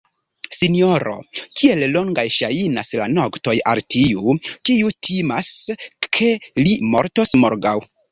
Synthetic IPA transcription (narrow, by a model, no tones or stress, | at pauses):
sinio̞ɾo̞̰kʰie̞llo̞ŋɡajʃajinaslano̞kto̞ja̰ltʰiukiutʰimaskʰe̞limo̞ɾto̞smoɾɡaw